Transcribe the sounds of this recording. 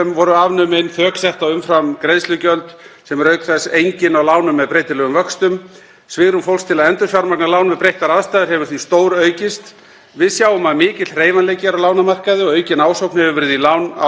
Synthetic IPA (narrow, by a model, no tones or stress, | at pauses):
ɛmvɔɾʏavnʏmenθœːksɛht̪aʏmfɾamkɾejðslʏcœlt̪sɛmɛɾœɥkθɛsːejɲcɪnawlaːwnʏmːɛðpɾejt̪ɪlɛɣʏmvœkst̪ʏm | svɪːɣɾʏmfowlst̪ʰɪlaðɛnt̪ʏ̥fjawɾmak̚nalaːwnvɪðpɾejhk̪aɾaðst̪ajðɪɾ̥hɛvʏɾ̥θvist̪oːwɾœːɥcɪst̪ | vɪðsjaːwʏmaðmɪːcɪt̪rejvanleːjcɪɾawlaːwnamar̥kaðɪɔœːɥcɪnaːwsowknhɛvʏɾvɪɾðilaːwna